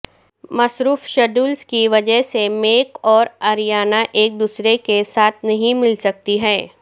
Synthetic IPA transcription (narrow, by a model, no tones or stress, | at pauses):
mɐsɾuːfʃɐɖuːlskiʋɐd͡ʒəɦsemeːkɔːɾɐɾjaːnaʔeːk̚d̪uːsɾekesaːt̪ʰnɐɦĩmɪlsɐk̚t̪iɦɛː